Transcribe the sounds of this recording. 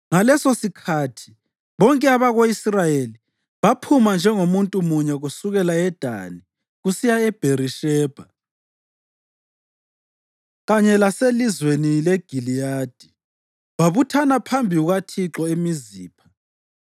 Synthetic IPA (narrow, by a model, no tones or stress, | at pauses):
ŋalɛsosikʰatʰi̥ | βɔŋkʼɛaβaɣoisrajeli | βapʰumand͡ʒʱɛŋomuntʼumuɲɛɣusuɣɛlaɛd̥ʱa̰ni | ɣusijaɛb̥ʱeriʃɛːb̥ʱa | ɣaɲɛlaselizwenilɛɡ̥ʱilijad̥ʱi | βaβutʰanapʰambʱiuɣatʰiǁɔemizḭːpʰḁ